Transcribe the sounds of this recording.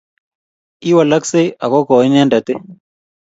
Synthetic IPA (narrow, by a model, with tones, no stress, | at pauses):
i˦wa˨la˦kse˦ja˨kɔ˦kɔ˨i˦nɛ˦nda˨t̪e˦